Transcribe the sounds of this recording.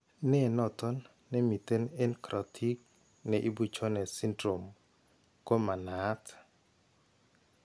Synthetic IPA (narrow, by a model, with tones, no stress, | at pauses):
nɪ˦˨nɔ˨t̪ɔ˦nː | ɛ˦mi˨t̪e˦ne˦nkɾʔɔ˨tʰi˦k̚ | nɛ˨ʔi˦bu˨t͡ʃɔ˦nɛ˨si˦ndɾo˨m | ko˦ma˨na˨˦t